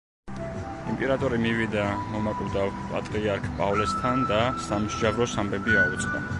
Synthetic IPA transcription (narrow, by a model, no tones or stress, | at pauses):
impʼɛɾat̪ʼɔɾimivid̪amɔmakʼvd̪avpʼa̰t̪ʼɾiaɾkʰpʼavlɛst̪ʰand̪asamʒavɾɔsambɛbiaut̪sʼd̪a